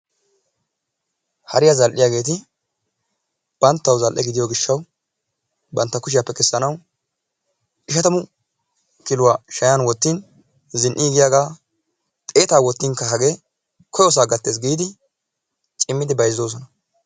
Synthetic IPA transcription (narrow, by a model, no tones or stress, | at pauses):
hɐ̰ɾɪjazɐlʔɪjaːɡe̞ːt̪̬ɪ | b̥ɐnt̪ːɐwzɐlʔɛɡɪd̪ɪjoɡɪʃːɐw | bɐnt̪ːɐkʊʃ̬ɪjapːɛkʼɛsːɐnɐw | ʔɪʃɐt̪ɐmʊ | kɪlʊwaʃɐjanwɔt̪ːin | zɪnʔɪɡɪjaːɡaː | t̪ʼe̞ːt̪aːwɔt̪ːinkɐɦɐɡe | kʰɔjɔs̬aːɡɐt̪ːeːs̬ɡiːd̪ɪ | t͡ʃʼɪmːɪd̪ɪbɐjzːoːs̬ɔnɐ